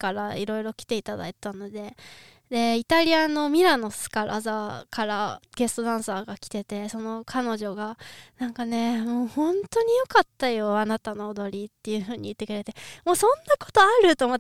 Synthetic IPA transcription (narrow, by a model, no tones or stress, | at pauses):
kaɾaiɾo̞iɾo̞kʲi̥t̪e̞it̪ad̪a̰it̪ano̞d̪e̞ | d̪e̞it̪aɾʲiano̞mʲiɾano̞sɨ̥kaɾʔa̰zakaɾaɡ̥e̞sɨ̥t̪o̞d̪ãɰ̃saːɡakʲi̥t̪e̞t̪e̞so̞no̞kʰano̞ʑo̞ɡanãŋkane̞moːhõ̞nt̪o̞ɲ̟ijo̞kat̪ːajo̞anat̪ano̞ːd̪o̞ɾʲit̪ːe̞jɯ̟ɸɯ̟ːɲ̟ḭit̪ːe̞kɯ̟ɾe̞t̪e̞mo̞ːsõ̞nːako̞̥t̪o̞aɾɯ̟t̪omot̪ː